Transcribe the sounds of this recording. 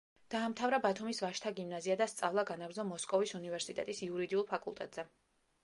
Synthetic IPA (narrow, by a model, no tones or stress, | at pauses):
d̪̥aːmt̪ʰavɾabat̪ʰumisvaʃt̪ʰaɡimnaziad̪ast̪sʼavlˠaɡanaɡɾzɔmɔskʼɔvisunivɛɾsit̪ʼɛ̰t̪ʼisiuɾid̪iulˠpʰakʼulˠt̪ʼɛt̪ʼz̥ɛ